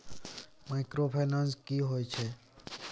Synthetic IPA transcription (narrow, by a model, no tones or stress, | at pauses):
maɪkɾopʰenənskiɦojt͡ʃʰɛ